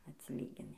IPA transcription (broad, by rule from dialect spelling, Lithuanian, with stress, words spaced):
ɐtʲsʲɪˈlʲiːɡʲɪnʲɪ